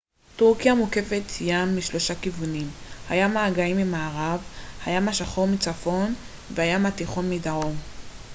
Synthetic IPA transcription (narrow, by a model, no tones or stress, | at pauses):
tuʁkjamuke̞fet̪jamːiʃlo̞ʃakivunimhajamaːɡaimːimaːʁavhajamaʃaχo̞mit͡safo̞n | vehajamatiχo̞nmidaʁo̞n